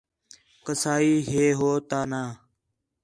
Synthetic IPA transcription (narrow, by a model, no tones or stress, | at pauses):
kəsaːiːɦeːɦoːt̪aːnaː